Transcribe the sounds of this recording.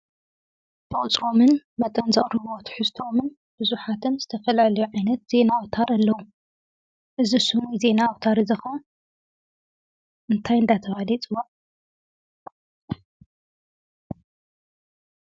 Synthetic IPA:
b̥ɨχʼt͡sʼɾo̞mɨnmɐt̪ʼɐnzɐχʼɾɨβot̪ʰɨ̥ħɨst̪ʰo̞mɨn | b̥ɨzuħat̪ʰɨnzɨt̪ʰɐfɐlalɐjuʕajnɐt̪̚z̥e̞nawt̪ʰaɾalːɐwu | ʔɨzisɨmize̞nawt̪ʰaɾizɐxɐ | ʔɨnt̪ʰajɨnd̪at̪ʰɐβalit͡sʼɨwaʔ

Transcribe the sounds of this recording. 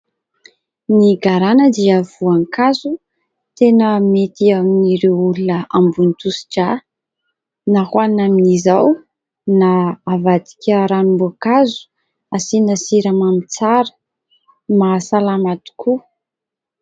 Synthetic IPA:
niɡaɾanəd̪iəv̥uaŋkazu | t̪enəmet̪iaminiɾewulunəambunit̪usi̥ʈ͡ʂa | nahwannaminizaw | naːvad̪i̥kʲəɾanumbuakazu̥ | asinəsiɾəmamit͡saɾə̥ | masalamat̪u̥kʰu

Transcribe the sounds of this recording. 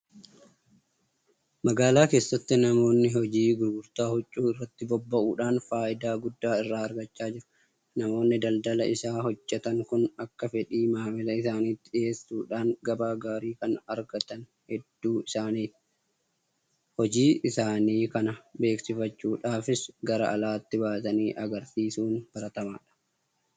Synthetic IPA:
mɐɡaːlaːke̞ːsːɐt̪ːɪnɐmo̞ːnːɪɦɔd͡ʒiːɡʊɾɡʊɾt̪aːhɔt͡ʃʼːuːɪrːɐt̪ːɪbɔbːɐʔuːᶑaːnfaːʔɪd̪aːɡʊd̪ːaːɪrːaːɐɾɡɐt͡ʃːaːd͡ʒɪɾʊ̥ | nɐmo̞ːnːɪd̪ɐld̪ɐlɐɪsaːhɔd͡ʒːɛt̪ɐŋkʊnɐkːɐfɛᶑiːmaːmɛlɐɪsaːniːt̪ːɪᶑɪje̞ːsuːᶑaːŋɡɐbaːɡaːɾiːkɐnɐɾɡɐt̪ɐn | hɛd̪ːuːɪsaːniː | hɔd͡ʒiːɪsaːniːkɐnɐbe̞ːksɪfɐt͡ʃːuːᶑaːfɪsɡɐɾɐʔɐlaːt̪ːɪbaːt̪ɐniːʔɐɡɐɾsiːsuːnb̥ɐɾɐt̪ɐma̰ːᶑɐ̥

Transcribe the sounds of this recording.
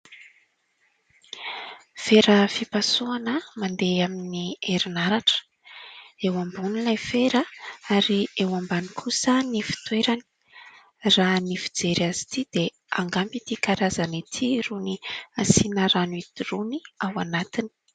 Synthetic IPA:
feɾəfipasuanəmand̪eaminieɾinaɾaʈ͡ʂə̥ | ewambunilajfeɾəaɾiewambanikʰusənifi̥t̪weɾani̥ | ranifid͡zeɾazi̥t̪id̪e | aŋɡampit̪ikaɾazanit̪ʰiruniasinəɾanuit̪iruniawanat̪ini̥

